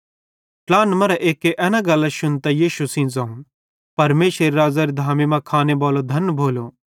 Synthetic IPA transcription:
ʈlaːnmɐɾɐʔeːkːeʔɛːnãɡɐlɐʃʊnt̪ɐjiːʃusĩːnd͡zaːũ | pɐɾmeːʃəɾiɾaːzaːɾid̪ʱaːmimɐ̃kʰaːneboːlod̪ʱɐnːbʱoːloː

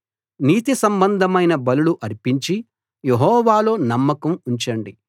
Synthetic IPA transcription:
niːt̪isɐmbɐnd̪ʱɐmɐjnɐbɐluluʔɐɾpiɲt͡ʃi | jeɦɔːʋaːlo̞ːnɐmːɐkɐmuɲt͡ʃɐɳɖi

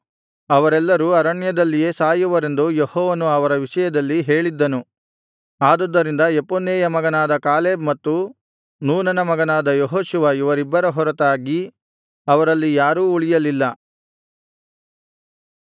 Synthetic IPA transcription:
ɐʋɐɾɛlːɐɾuɐɾɐɳjɐd̪ɐlːije̞ːsaːjuʋɐɾe̞nd̪ujehɔːʋɐnuɐʋɐɾɐʋiʂɐjɐd̪ɐlːiɦe̞ːɭid̪ːɐnu | aːd̪ɔd̪ːɐɾind̪ɐeponːeːjɐmɐɡɐnaːd̪ɐkaːleːbmɐt̪ːu | nuːnɐnɐmɐɡɐnaːd̪ɐjoɦoːʃuʋɐiʋɐɾibːɐɾɐɦɔɾɐt̪aːɡi | ɐʋɐɾɐlːijaːɾuːuɭijɐlilːɐ

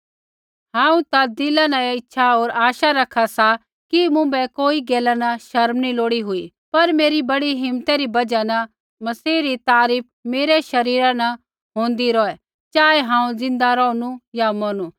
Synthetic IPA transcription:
ɦãːũt̪ad̪ɪlãnɐ̃ɪtːʃʰaɦoːɾaːʃaɾɐkʰːasa | kimʊ̃bɛkoːiɡeːlanɐʃɐɾmniloːɽiɦʊi | pɐɾmeːɾibɐɽiɦɪmt̪ɛɾibɐd͡ʒanɐ | mɐsiːɾit̪aːɾiːp̚ʰmeːɾɛʃɐɾiːɾanɐ | ɦõːn̆d̪iɾɔːɛ | t͡ʃaːeɦãːũzɪ̃nd̪aɾɔːnujamonuː

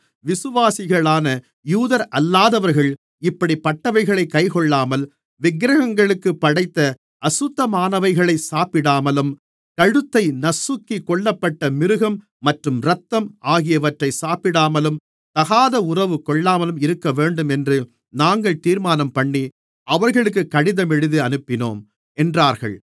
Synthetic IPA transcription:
ʋɪsɯʋaːsɪɣɐɭaːnɐ | juːðɐɾʔɐlːaːðɐʋɐɾɣɐɭ | ɪpːɐɽipɐʈːɐʋɐɪɣɐɭɐɪkːɐɪkɔɭːaːmɐl | ʋɪɡɾɐɣɐŋɡɐɭɯkːɯpːɐɽɐɪt̪ːɐ | ʔɐsʊt̪ːɐmaːnɐʋɐɪɣɐɭɐɪsaːpɪɽaːmɐlɯm | kɐɻɯt̪ːɐɪnɐsːʊkːikɔɭːɐpːɐʈːɐmɪɾɯɣɐmː | ɐʈrɯmɾɐt̪ːɐmaːɣɪjɐʋɐʈrɐɪsaːpɪɽaːmɐlɯm | t̪ɐɣaːðɐʊrɐʋɯkːɔɭːaːmɐlɯmɪɾɯkːɐʋeːɳɖɯmɛndrɯ | naːŋɡɐɭt̪iːɾmaːnɐmpɐɳːi | ʔɐʋɐɾɣɐɭɯk̬ːɯkːɐɽɪðɐmɛɽɯðɯɐnɯpːɪno̰ːm | ɛndraːɾɣɐ̰ɭ

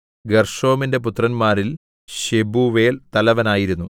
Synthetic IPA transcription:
ɡɐrʂo̞ːminde̞put̪rɐnmaːɾil | ɕebuʋe̞ːlt̪ɐlɐʋɐnaːjiɾunːu

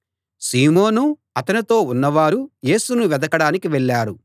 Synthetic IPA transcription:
siːmoːnu | ɐt̪ɐnit̪o̞ːunːɐʋaːɾuje̞ːsunuʋɛd̪ɐkɐɽaːnikiʋɛɭːaːɾu

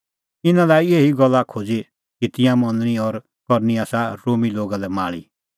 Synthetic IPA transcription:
ɪnãlaːieːɦiɡɔlːakʰoːd͡zi | kit̪ɪ̃jãmɔ̃nəɽ̃iɔɾ | kɔɾniaːsaɾoːmiloːɡalɛma̰ːɭḭ

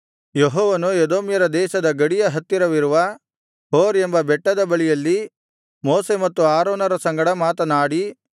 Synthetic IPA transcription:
jeɦɔːʋɐnued̪oːmjɐɾɐd̪ɛːʃɐd̪ɐɡɐɽijɐɦɐt̪ːiɾɐʋiɾuʋɐ | ɦoːɾembɐbɛʈːɐd̪ɐbɐɭijɐlːi | moːsemɐt̪ːuaːɾoːnɐɾɐsɐŋɡɐɽɐmaːt̪ɐnaːɽi

